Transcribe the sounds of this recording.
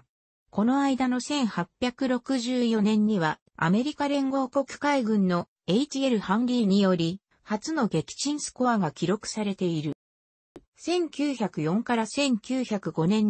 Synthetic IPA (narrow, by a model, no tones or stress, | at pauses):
ko̞no̞aid̪ano̞sẽ̞ɰ̃hapʲjakɯ̟ɾo̞kɯ̟ʑɨːjo̞nẽ̞ɲ̟ːiβa | a̰me̞ɾʲikaɾẽ̞ŋɡo̞ːko̞kɯ̥kaiɡɯ̟̃nːo̞ | e̞it͡ɕie̞ɾɯ̟hãnɾʲiːɲ̟ijo̞ɾʲi | hat͡sɨno̞ɡe̞kʲi̥t͡ɕĩɰ̃sɨ̥ko̞aɡakʲiɾo̞kɯ̟̥saɾe̞t̪e̞iɾɯ̟ | sẽ̞ŋkʲɨːçakɯ̟jõ̞ŋkaɾasẽ̞ŋkʲɨːçakɯ̟ɡo̞nẽ̞ɲ